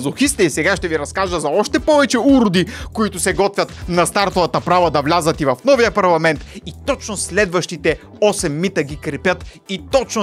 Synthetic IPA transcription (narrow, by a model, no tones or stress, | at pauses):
zˠʊxist̪ɛisɛɡaʃt̪ɛviɾɐskaʒəzɐɔʃt̪ɛpɔvɛt͡ʃɛuɾʊd̪ikoit̪ʊsɛɡɔt̪vʲɐt̪nɐst̪aɾt̪ovɐt̪ɐpɾavəd̪ɐvlʲazət̪ivɐfnɔvijəpɐɾlˠɐmɛnt̪it̪ɔt͡ʃnʊslɛd̪vɐʃt̪it̪ɛ | ɔsɛmːit̪əɡikɾɛpʲjət̪ | it̪ɔt͡ʃno